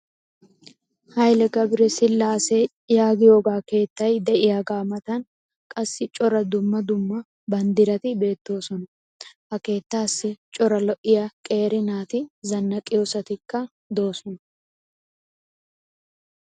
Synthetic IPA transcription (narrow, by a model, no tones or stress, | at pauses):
hɐjlɛɡɐbɾɛsɪlːaːsɛ | jaːɡɪjo̞ːɡaːke̞ːt̪ːɐjd̪ɛʔɪjaɡaːmɐt̪ɐn | kʼɐsːɪt͡ʃʼɔɾɐd̪ʊmːɐd̪ʊmːɐ | bɐnd̪ɪɾɐt̪ɪbe̞ːt̪ːo̞ːsɔnɐ | ʔɐke̞ːt̪ːaːsːɪt͡ʃʼɔɾɐlɔʔɪjɐkʼe̞ːɾɪnaːt̪ɪzɐnːɐkʼːɪjoːsɐt̪ɪkːɐ | d̪o̞ːsɔnɐ